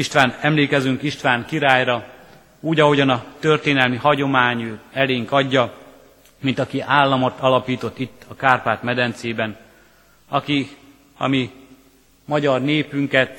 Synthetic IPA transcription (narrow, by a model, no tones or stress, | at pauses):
iʃt̪ʋaːnɛmleːkɛzyŋkiʃt̪ʋaːŋkiɾaːjrɒ | uːɟɒɦo̞ɟɒnɒt̪ørt̪eːnɛlmihɒɟo̞maːɲuːɛleːŋkɒɟːɒ | mint̪ɒkiʔaːlːɒmo̞t̪ɒlɒpiːt̪o̞t̪ːit̪ːɒkaːrpaːt̪mɛd̪ɛnt̪seːbɛn | ɒki | ɒ̰mi | mɒɟɒrneːpyŋkɛt̪